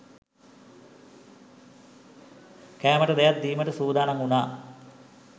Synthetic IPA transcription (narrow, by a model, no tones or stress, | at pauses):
kæːməʈəd̪ejat̪̚d̪iːməʈəsuːd̪aːnaŋunaː